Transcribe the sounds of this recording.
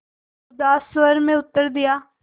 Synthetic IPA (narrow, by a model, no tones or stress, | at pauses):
d̪asʋəɾmẽʊt̪ːəɾd̪ɪjaː